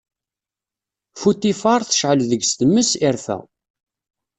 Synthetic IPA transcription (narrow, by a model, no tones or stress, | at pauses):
fut̪ːifɑɾˤθə̥ʃʕəlðəɡst̪əmːəsɪɾfæ̰